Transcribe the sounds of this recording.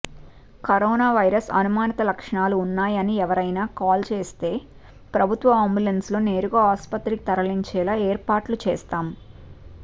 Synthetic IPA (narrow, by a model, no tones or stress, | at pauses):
kɐɾɔːnaːʋɐjɾɐsɐ̰numaːnit̪ɐlɐkʂɐɳaːluːnːaːjɐniɛʋɐɾɐjnaːkaːlt͡ʃeːst̪e̞ː | pɾɐbʱut̪ʋɐaːmbulensloːne̞ːɾuɡoːaːspɐt̪ɾiki̥t̪ɐɾɐliɲt͡ʃɛːlaːeːɾpaːʈlut͡ʃɛ̰ːst̪aːm